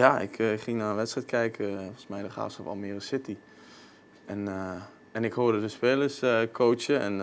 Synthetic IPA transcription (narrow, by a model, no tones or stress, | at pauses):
jaɪ̰kχɪŋnaːənʋɛtstrɛjt̚kʰɛjkəfɔlˠsmɛjdəχa̰ːfsɔfɔ̰mirəsɪti | ɛn | ɛnɪkhoərdədəspeːləskʰoːt͡ʃəɛn